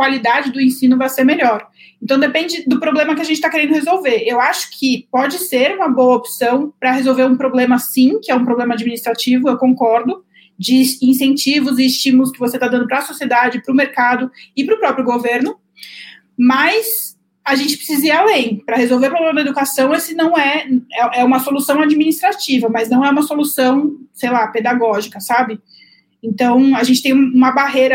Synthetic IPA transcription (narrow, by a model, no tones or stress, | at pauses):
kwalid̪ad͡ʒɪd̪ʊẽsĩnʊvajseɾmeʎɔɾ | ẽnt̪ɐ̃w̃d̪epẽnd͡ʒɪd̪ʊpɾoblẽmɐk̬ɪaɐʒẽnt͡ʃɪt̪akeɾẽnd̪ʊhezowveɾewaʃʊ̥kʰɪpɔd͡ʒɪseɾũmɐbowɐopsɐ̃w̃pɾɐɦezowveɾũpɾoblẽmɐsĩkɪɛũpɾoblẽmɐad͡ʒiminist̪ɾat͡ʃivʊewkõŋkɔɾd̪ʊ | d͡ʒɪĩsẽnt͡ʃivʊzɪːst͡ʃĩmʊlʊs̬kɪvoset̪ad̪ɐ̃nd̪ʊpɾɐsosied̪ad͡ʒɪpɾʊmeɾkad̪ʊɪpɾʊpɾɔpɾjʊɡoveɾnʊ | mɐs | aʒẽnt͡ʃɪ̥pɾɪ̥sizialẽj̃pɾɐhezowveɾpɾoblẽmɐd̪ɐed̪ukasɐ̃w̃esɪnɐ̃w̃ɛɛʔɛũmɐsolusɐ̃w̃ad͡ʒiminist̪ɾat͡ʃivɐmɐznɐ̃w̃ɛũmɐsolusɐ̃w̃sejlaped̪aɡɔʒikɐsabɪ | ẽnt̪ɐ̃w̃aʒẽnt͡ʃɪ̥t̪ẽj̃mũmɐbaɦejɾɐ